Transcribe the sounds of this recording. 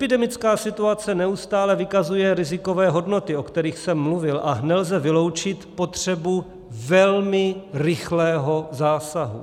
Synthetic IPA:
ʔɛpɪdɛmɪt͡skaːsɪt̪uat͡sɛnɛust̪aːlɛvɪkazujɛɾɪzɪko̞vɛːɦo̞dno̞t̪ɪo̞kt̪ɛɾiːxsɛmːluvɪlʔanɛlzɛvɪlo̞wt͡ʃɪt̪po̞t̪r̝̥ɛbu | vɛlmɪrɪxlɛːɦo̞zaːsaɦṵ

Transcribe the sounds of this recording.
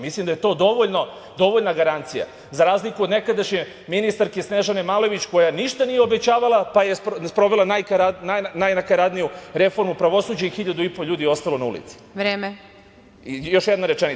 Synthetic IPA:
mislimd̪ajet̪o̞ːd̪o̞ʋoʎno̞ | d̪o̞ʋo̞ʎnaɡaɾant̪sija̰ | zaɾaːzlikuo̞d̪ne̞kad̪aʃɲe | minist̪aɾkesneʒanemalo̞ʋit͡ɕko̞janiʃt̪anijeobet͡ɕaːʋalˠapajespspɾo̞ʋelanajkaɾananajnakaɾad̪nijuɾe̞fo̞ɾmupɾaʋo̞suːd͡ʑaixiʎad̪uipo̞ʎuːd̪io̞st̪alˠo̞naṵlḭt̪si̥ʋɾeːme | jo̞ʃjɛd̪naɾet͡ʃeni

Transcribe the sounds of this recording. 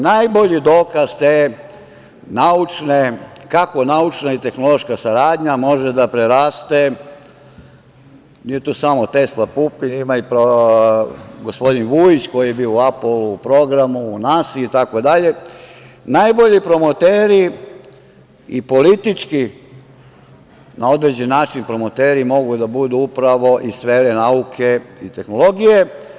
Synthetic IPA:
najboʎid̪o̞ːkaz̥t̪e | naut͡ʃnekako̞naut͡ʃnait̪e̞xno̞lˠo̞ʃkasaɾaːd̪ɲamo̞ʒed̪apɾeɾaːst̪e | nije̞t̪uːsamo̞t̪e̞slˠapupinimaipɾo | ɡospo̞d̪inʋuit͡ɕko̞jije̞biouapluːpɾo̞ɡɾamuːnasiuit̪ako̞d̪aʎe̞ | najbo̞ʎipɾo̞mot̪eːɾi | ipo̞lit̪it͡ʃki | nao̞d̪ɾed͡ʑenːaːt͡ʃinpɾo̞mot̪e̞ːɾimo̞ɡud̪abud̪uupɾaʋo̞ʔisʋe̞ːɾenaukʰe̞it̪e̞xno̞lˠo̞ɡije

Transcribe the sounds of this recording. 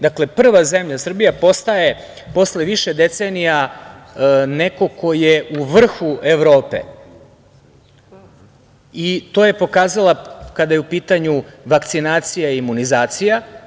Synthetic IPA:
d̪akle̞pr̩ʋaze̞mʎasr̩bijapo̞st̪aje̞ | po̞sle̞ʋiʃed̪e̞t̪senija | ne̞ko̞kʰo̞jeʔuʋr̩xueʋɾo̞ːpe̞̰ | it̪o̞ːjepo̞kaːzalakad̪ajeupiːt̪aɲuʋakt̪sinaːt̪sijaiimunizaːt̪sija

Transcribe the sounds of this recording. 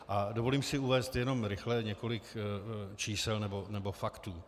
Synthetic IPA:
ʔadovo̞liːmsɪuvɛːst̪jɛno̞mɾɪxlɛɲɛko̞lɪkt͡ʃiːsɛlnɛbo̞nɛbo̞fakt̪uː

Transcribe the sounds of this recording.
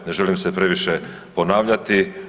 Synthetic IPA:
ne̞ʒe̞limsepɾe̞ʋiʃe | po̞naːʋʎat̪i

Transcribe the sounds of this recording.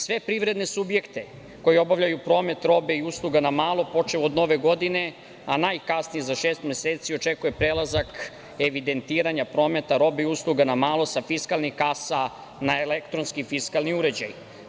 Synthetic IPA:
sʋe̞pɾiʋɾed̪ne̞subje̞kt̪e̞ | ko̞jio̞baʋlʎajupɾo̞ːme̞t̪ɾo̞be̞iuslˠuɡanamaːlˠo̞po̞t͡ʃeod̪no̞ʋe̞ɡo̞d̪ine̞ | anaːjkasnijezaʃeːst̪mʲeseːt̪sio̞t͡ʃe̞kuje̞pɾelazak | eʋid̪e̞nt̪iːɾaɲapɾo̞ːme̞t̪aɾo̞be̞iuslˠuɡanamaːlˠo̞safiskalˠnixkasa | naelekt̪ɾonskifiskalˠniuɾe̞d͡ʑa̰j

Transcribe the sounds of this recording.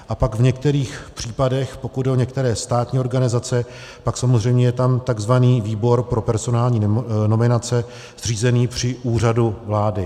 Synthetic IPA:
ʔapaɡvɲɛk̚t̪ɛɾiːxpr̝̥iːpadɛxpokud̪̚dɛo̞ɲɛk̚t̪ɛɾɛːst̪aːt̪ɲiːo̞ɾɡanɪzat͡sɛ | paksamo̞zrɛjmɲɛjɛt̪amt̪aɡzvaniːviːbo̞ɾpɾo̞pɛɾzo̞naːlɲiːno̞mɪnat͡sɛ | zriːzɛniːpr̝̥ɪʔuːr̝aduvlaːdɪ

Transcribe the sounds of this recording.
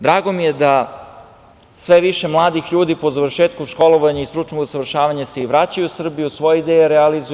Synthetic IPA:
d̪ɾaːɡo̞mijed̪a | sʋeʋiʃemlˠaːd̪ixʎuːd̪ipo̞zaʋr̩ʃeːt̪kuʃko̞loʋaɲaist̪ɾut͡ʂnoɡsaʋr̩ʃaːʋaɲaseiʋɾat͡ɕajusr̩bijusʋo̞jeid̪ejeɾealizu

